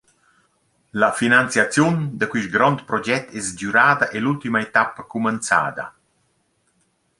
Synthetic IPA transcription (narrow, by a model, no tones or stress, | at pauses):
lafinant̪sjat͡sjund̪əkwiʃɡɾɔnt̪pɾɔd͡ʒɛt̪ːɛsd͡ʒyɾaːd̪aʔelult̪imaet̪apːkumənt̪sa̰ːd̪a̰